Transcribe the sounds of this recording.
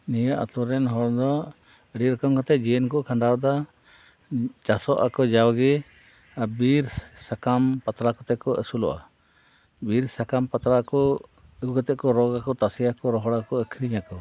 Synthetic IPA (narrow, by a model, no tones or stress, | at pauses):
nijaʔa̰t̪ɔɾɛnɦɔɾd̪ɔ | ɾiɾɔkɔmkɔt̪ɛd͡ʒiɛnkɔʔkʰaɳɖawd̪a | t͡ʃasɔʔakɔd͡ʒawɡi | abiɾsakampat̪ɾakɔt̪ɛkɔʔɛsulɔ̰ʔa̰ | biɾsakampat̪ɾakɔ | ɡɔt̪ɛʔkɔɾɔɡakɔt̪asɛjakɔɾɔɦɔɽakɔəkʰɾiɲakɔ